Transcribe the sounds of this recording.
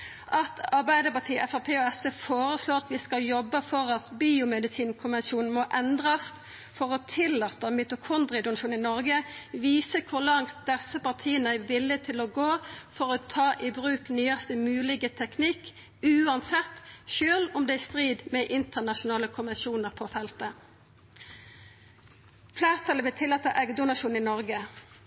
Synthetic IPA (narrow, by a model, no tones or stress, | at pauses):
ʔɑt̪ɑɾbæɪd̪əpɑt̪ʰiːʔɛfɑpʰeːɔɛsəfoːɾəsloːɾɑt̪ʋɪskɑljɔbːəfɔɾɑt̪biːʊmɛd̪ɪsiːnkʰʊnʋɛnʃuːnn̩mɔʔɛnd̪ʁɑs | fɔɾɔt̪ʰɪlːɑːt̪ːəmyt̪ʊkʰʊnd̪ɾɪd̪ʊnɑʃuːnɪnɔɾɡəʋiːsəkʰʊɾlɑŋt̪̚d̪̥ɛsːəpɑʁt̪ʰiːənəæɪʋɪlːɪt̪ʰɪlɔɡoːfɔʁɔt̪ʰɑːʔɪbʁʉːknyːɑst̪əmʉːlɪɡət̪ʰɛknɪk | ʉːɑnsɛt̪ːʃøːlʊmd̪ɛːæst̪ʁiːd̪mɛʔɪnt̪əʁnɑʃʊnɑːləkʰʊnʋɛnʃuːnəʁpʰɔfɛlt̪ə | fleːʁt̪ʰɑləʋɪlt̪ʰɪlːɑːt̪əʔɛɡd̪ʊnɑʃuːn̩ɪnɔʁɡə